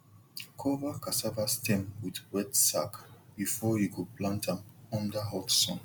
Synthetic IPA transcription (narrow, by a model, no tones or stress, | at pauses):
kʰɔvakasavastʰɛ̃mwidwɛtsakb̥ifɔjiɡoplãntãmɔ̃ndaɦɔtsɔ̰̃n